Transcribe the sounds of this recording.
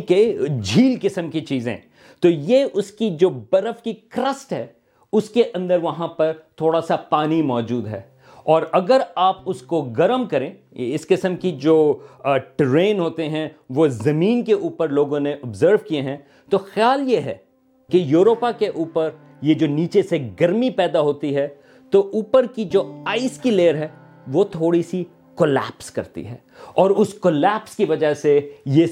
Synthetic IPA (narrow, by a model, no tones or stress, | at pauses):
ked͡ʒʱiːlkɪsəmkit͡ʃiːzḛ̃ | t̪oːjeʔʊskid͡ʒoːbɐɾəfkikɾəsʈɦɛː | ʊskeʔɐ̃nd̪əɾʋɐɦãpɐɾt̪ʰoːɽasapaːnimɔːd͡ʒuːd̪ɦɛ̰ː | ɔːɾɐɡəɾaːpʊskoɡɐɾəmkɐɾẽː | ɪskɪsəmkid͡ʒoːʈɾẽːnɦoːt̪eɦɛ̃ʋozɐmĩːnkeʔuːpəɾloːɡõneʔɐbzəːɾʋkieɦɛ̃ | t̪oxjaːljeɦɛ̰ː | kejuːɾoːpakeʔuːpəɾ | jed͡ʒoːniːt͡ʃeseɡɐɾmipɛːd̪aɦoːt̪iɦɛ | t̪oʔuːpəɾkid͡ʒoːaːiskileːəɾɦɛː | ʋot̪ʰoːɽisi | kolɛ̰ːpskɐ̰ɾt̪ḭɦɛ̰ː | ɔːɾʊskoːlɛːpskiʋɐd͡ʒaseje